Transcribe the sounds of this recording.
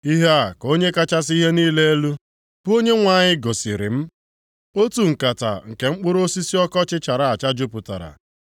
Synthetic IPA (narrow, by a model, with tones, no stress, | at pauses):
i˦ɦe˦a˨ko˦ɲe˦ka˦t͡ʃa˦s̬i˦ɦe˦niː˦le˦e˦lu˦ | b̥o˦ɲe˦ŋʷa˨ɲɪ˦ɡo˨sɪ˨ɾɪ̰˨m̩˦ | o˦tu˨ŋ̩˨ka˨ta̰˨ŋ̩˨ke˨ŋ͡m̩˦k͡pʊ˦ɾo˦si˦si˦ɔ˦kɔ˦t͡ʃɪ˦t͡ʃa˨ɾa˨a˨t͡ʃa˦d͡ʒʊ˦pʊ˨ta̰˨ɾa̰˨